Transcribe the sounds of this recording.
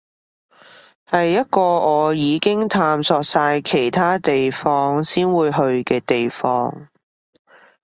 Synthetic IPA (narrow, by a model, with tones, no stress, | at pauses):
hɐ˨jːɐ˥t̚kɔː˧ɔː˨˧jiː˨˧kɪ˥ŋt̪ʰaː˧msɔː˧k̚saː˧jkʰe˨˩jt̪ʰaː˥t̪e˨jfɔː˥ŋsiː˥nwuː˨˧jɦɵ˧ɥkɛː˧t̪e˨jfɔː˥ŋ